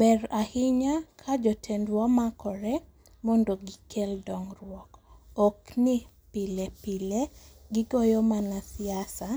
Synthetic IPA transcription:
bɛrahɪɲakʰad͡ʒɔtʰɛndwamakʰɔɾɛ | mondoɡɪkeldɔŋrwɔkokni | pilepileɡɪɡɔjɔmanasiasa

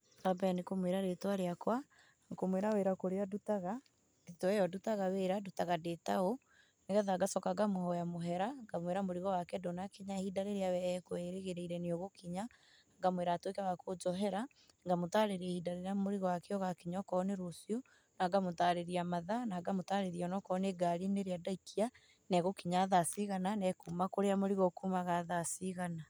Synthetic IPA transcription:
kabɛnekomweɾaɾetowaɾeakwa | komweɾaweɾakoɾeadutaɣa | etoɛjɔdutaɣaweɾadutaɣadetao | neɣɛðaɡasɔkaɡamohɔjamoɦɛɾaŋɡamweɾamoɾiɣɔwakɛdonakiɲahidaɾeɾeawɛɛkoɛɾeɣeɾeiɾɛneoɣokiɲa | ŋɡamweɾatwekawakod͡ʒɔɦɛɾa | ŋɡamotaɾeɾɛhidaɾeɾamoɾiɣɔwakeɔɣakiɲɔkɔneɾosio | naɡamotaɾeɾiamaðanaɡamotaɾeɾiɔnɔkɔneɡaɾineɾeadaikʰia | nɛɣokiɲaːðasiɣananɛkumakoɾeamoɾiɣɔkumaɣaðasiɣana

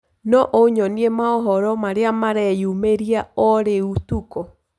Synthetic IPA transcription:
nɔʔoɲɔniemaɔɦɔɾɔmaɾeamaɾɛjumeɾiaɔɾeutukɔ

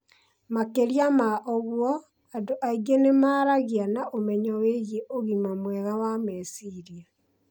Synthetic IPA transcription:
makeɾjamaʔoɣwɔ | adoʔaiɡenemaːɾaɣianaʔomɛɲɔweɣeʔoɣimamwɛɣawamɛsiɾia

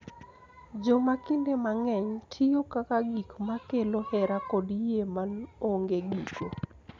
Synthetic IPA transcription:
d͡ʒomakɪndemaŋɛɲtʰɪjokakaɡikmakelohɛɾakɔdjemanoŋɡeɡiko

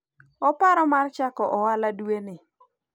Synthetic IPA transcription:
ɔpaɾɔmart͡ʃakɔʔɔwaladuenɪ

